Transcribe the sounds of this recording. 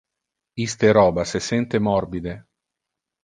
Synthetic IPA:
ist̪eɾɔːbasesɛnt̪emɔrbid̪e

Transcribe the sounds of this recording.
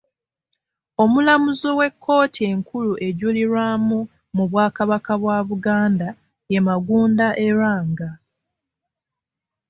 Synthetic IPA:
o̞mulamuzowe̞kʰːo̞ːtieŋkuluʔe̞ɟuliɾwaːmu | muβwaːkaβakaβwaːβuɡaːnda | je̞maɡuːndaʔe̞ɾaːŋɡa

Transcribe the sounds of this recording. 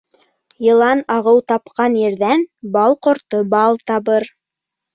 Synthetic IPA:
jɤ̆lˠɑnɑʁɤwt̪ɑpqɑnjɘ̆ɾðænbɑlˠqŏɾt̪obɑlˠt̪ɑβɤɾ

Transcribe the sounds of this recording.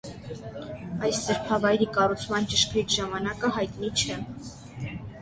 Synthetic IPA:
ɑjssəɾpʰɑvɑjɾikɑrut͡sʰmɑnt͡ʃəʃkɾitʰʒɑmɑnɑkəɦɑjt̪nit͡ʃʰɛ

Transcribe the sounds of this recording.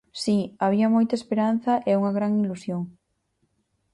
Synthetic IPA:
siaβiɐmojt̪ɐespeɾan̟θɐʔeuŋɐɣɾaŋilusjoŋ

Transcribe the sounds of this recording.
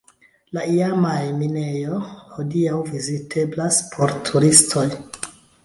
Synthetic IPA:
laiamajmine̞jo̞hodiawvizitʰe̞blaspʰo̞ɾtʰuɾistʰo̞j

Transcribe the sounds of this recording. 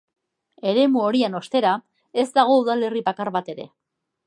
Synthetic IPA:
e̞ɾe̞muo̞ɾiano̞st̪e̞ɾa | e̞zd̪aɣ̞o̞uðale̞ripakaɾβat̪e̞ɾe̞̰

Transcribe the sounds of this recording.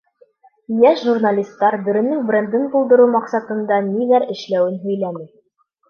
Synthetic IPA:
jæʃʒurnalʲist̪ːɑɾbɘ̆ɾɘ̆nːɘŋbrʲend̪ɘɴbulˠd̪ɤ̆ɾumɑqsɑt̪ɤ̆nd̪ɑniðæɾɘ̆ʃlæwɘnɦɵ̆jlæmi

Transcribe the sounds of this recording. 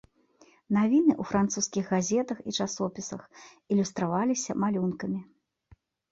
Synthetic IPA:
navʲinɨʔufɾant̪suskʲiɣɣazʲɛt̪ɐxit͡ʂasɔpʲisɐ̰x | ilʲust̪ɾavalʲisʲɐmalʲunkɐmʲi

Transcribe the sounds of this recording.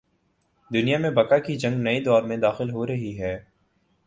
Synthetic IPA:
d̪ʊnijamẽbɐkakid͡ʒɐ̃ŋɡnɐid̪ɔːɾmẽd̪aːxɪlɦoɾɐɦiɦɛː

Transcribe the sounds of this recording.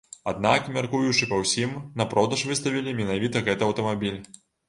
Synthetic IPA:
ad̪nakmʲarkujut͡ʂɨpɐwsʲimnɐpɾɔd̪ɐʂvɨst̪ɐvʲilʲimʲinavʲit̪ɐɣɛt̪ɨɐwt̪ɐmabʲilʲ

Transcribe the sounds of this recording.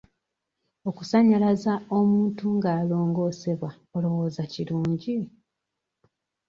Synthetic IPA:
o̞ku̥saɲalazao̞muːntuŋɡaːlo̞ːŋɡo̞se̞βwa | olo̞wo̞ːzaciɾuːɲɟi

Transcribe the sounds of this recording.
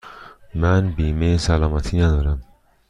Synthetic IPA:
manbimesalamat̪ʰinad̪ɔːɾam

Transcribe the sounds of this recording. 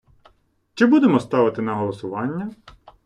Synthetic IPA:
t͡ʃɪbud̪emɔst̪ɑʋɪt̪ɪnɐɦɔlˠɔsʊʋɑnʲːɐ

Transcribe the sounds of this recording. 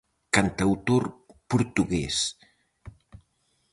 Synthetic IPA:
kant̪awt̪oɾpuɾt̪uɣɛs

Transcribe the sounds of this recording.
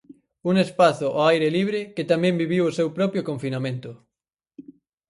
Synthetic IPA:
uŋespaθʊʔoajɾeliβ̞ɾeket̪amjẽmbiβ̞iwosewpɾɔpjokõɱfinamẽnt̪ʊ

